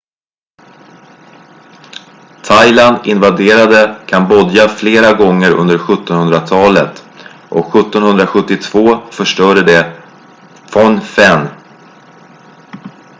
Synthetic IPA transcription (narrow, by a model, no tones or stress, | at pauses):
t̪ʰajland̪ɪnvad̪eːɾad̪əkʰanbɔd̪jafleːɾaɡɔŋːəɾɵ̰nd̪əɾɧɵt̪ːɔnhɵnd̪ɾat̪ʰɑːlət̪ | ʔɔkɧɵt̪ːɔnhɵnd̪ɾaɧɵt̪ːɪt̪ʰv̥oːfœʂʈœːɾəɖɛ | fɔnfɛn